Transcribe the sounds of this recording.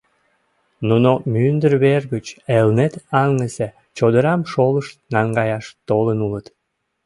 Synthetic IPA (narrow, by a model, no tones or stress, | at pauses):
nunomynd̪ərβerɡət͡ɕelnet̪ɑŋəse | t͡ɕod̪əɾɑmʃoləʃt̪nɑŋɡɑjɑʃt̪olənulət̪